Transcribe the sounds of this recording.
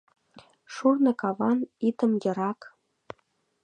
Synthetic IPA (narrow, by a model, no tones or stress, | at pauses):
ʃurnɤ̆kɑvɑnit̪ə̆mjɤ̆ɾɑk